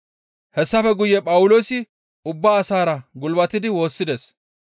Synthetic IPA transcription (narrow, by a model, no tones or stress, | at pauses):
hɛsːɐfɛɡʊjːɛpʼɐwʊlo̞ːsɪ | ʊbːaːsaːɾɐɡʊlbɐt̪ɪd̪ɪwo̞ːsːɪd̪es